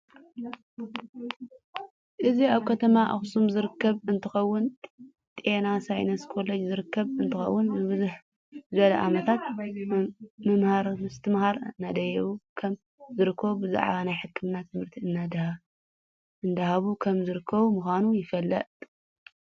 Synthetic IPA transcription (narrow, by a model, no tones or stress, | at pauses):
ʔɨziaβkʰɐt̪ʰɐmaʔa̰xsumzɨɾɨkːɐβɨnt̪ʰɨxɐwːʊn | t̪ʼenasajnɐskʰo̞lɐd͡ʒzɨɾɨkːɐβɨnt̪ʰɨxɐ̰wːʊnbɨβɨzuħ | zɨβɐlɐʔamɐt̪ʰat̪̚ | mɐmhaɾmɨst̪ʰɨmhaɾɨnːad̪ɐjɐβukʰɐm | zɨɾɨkʰːɐβubɨza̰ʕ̰βanajħɨkʰːɨmnat̪ʰɨmhɨɾt̪ʰiɨnːad̪h | ɨnd̪ahaβukʰɐmzɨɾɨkʰːɐβumuxʷanujɪfɐlːɐ̰t̪ʼ